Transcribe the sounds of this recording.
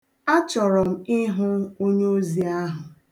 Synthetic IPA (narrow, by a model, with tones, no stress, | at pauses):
a˦t͡ʃɔ˨ɾɔ˨m̩˦ɪ˦ɦʊ˦o˦ɲe˦o˦zi˨a˦ɦʊ˨